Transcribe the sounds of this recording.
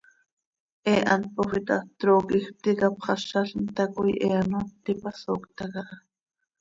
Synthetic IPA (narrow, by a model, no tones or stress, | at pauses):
ʔeːʔant̪̚poxit̪at̪ɾoːkix̚t̪ikapχɑʃaɬnt̪akujʔeanat̪ipasoːkt̪akaʔ